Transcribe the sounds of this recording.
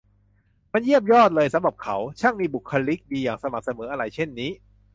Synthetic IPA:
ma˧nji˥˩əp̚jɔː˥˩t̪̚lɤː˧jsa˨˦mɾa˨˩p̚kʰa˩˦wt͡ɕʰa˥˩ŋmiː˧bu˨˩kʰːa˧li˦˥k̚diː˧jaː˨˩ŋsa˧ma˨˩k̚sa˧mɤː˩˦ʔa˧ɾa˧jt͡ɕʰe˥˩nːiː˦˥

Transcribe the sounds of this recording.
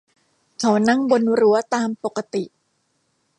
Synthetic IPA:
kʰa˨˦wna˥˩ŋbo˧nɾu˩˦ɐt̪aː˧mpo˨˩kːa˧t̪i˨˩ʔ

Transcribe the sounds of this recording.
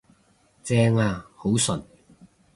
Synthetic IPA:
t͡sɛː˧˥ŋaː˧ho˨˥wsɵ˨n

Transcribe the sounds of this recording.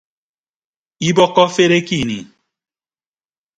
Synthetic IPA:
i˦bɔ˦kɔ˦fe˦ɾe˦ki˦˨nḭ˨

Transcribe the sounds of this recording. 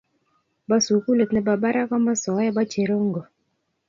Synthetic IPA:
ba˦su˨ku˦le˨t̪nɛ˨ba˨ba˦ɾa˦kɔ˦ma˦sɔ˨˦jɛ˦ba˦t͡ʃe˨ɾo˦ŋɡo˨

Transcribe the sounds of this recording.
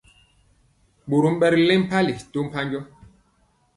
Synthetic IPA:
ɓo˨ɾu˦m̩˦ɓɛ˦ɾlɛ˦m̩˦pa˦li˨to˦m̩˨pa˦ɲd͡ʒɔ˦

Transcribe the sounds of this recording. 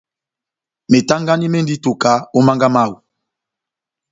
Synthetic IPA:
me˨ta˦ŋɡa˦ni˦mɛ˦ndi˦to˨ka˨˦o˦ma˦ŋɡa˦ma˦˨wu˨

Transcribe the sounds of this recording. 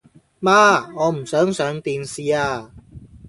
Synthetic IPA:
mã˦˧ɔ˧m̩˨˩sə˨˦ŋsœ˨˦ŋt̪i˧nsi˧a˧

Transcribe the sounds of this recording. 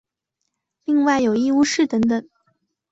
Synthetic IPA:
li˥˧ŋwa˥˩ɪjo˨˩ʊi˥˧u˥˧ʂɻ̩˥˩t̪ə˧˥ŋt̪ə˨˩˦ŋ

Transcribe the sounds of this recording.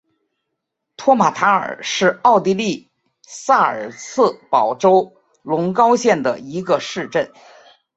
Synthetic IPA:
t̪ʰwɔ˥ma˨˩t̪ʰa˧˥ə̰˞˨˩ʂɻ̩˥˧ɑ˥˧ʊt̪i˥˧li˥˩ | sa˥˩ə̰˞˨˩sʰɹ̩˥˩pɑ˨˩ʊʈ͡ʂo˥ʊ | lʊ˧˥ŋkɑ˥ʊɕjɛ˥˩nd̪ə̰˩i˧˥ɡə˧ʂɻ̩˥˧ʈ͡ʂə˥˩n

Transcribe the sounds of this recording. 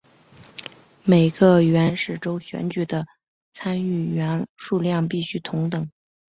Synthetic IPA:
me˨˩ɪɡə˧ɥɛ˧˥nʂɻ̩˨˩ʈ͡ʂo˥ʊɕɥɛ̰˧˥nt͡ɕy˨˩d̪ə˦ | t͡sʰa˥ny˥˩ɥɛ˧˥nʂu˥˧ljɑ˥˧ŋp̬i˥˩ɕy˥t̪ʰʊ˧˥ŋt̪ɤ˨˩˦ŋ

